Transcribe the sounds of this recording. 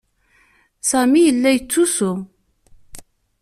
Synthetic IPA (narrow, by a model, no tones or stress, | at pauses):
sæmijəlːæjət͡sːusʊ